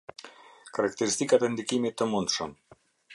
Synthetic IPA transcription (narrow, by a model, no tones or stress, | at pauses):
kaɾakt̪eɾist̪ikat̪end̪ikimit̪ːəmunt̪ʃum